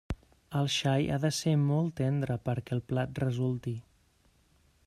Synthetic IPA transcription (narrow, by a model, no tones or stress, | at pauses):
əlˠʃaja̰ðəsemɔlˠt̪ɛnd̪ɾəpəɾkɛːlˠplat̪̚rəzulˠt̪i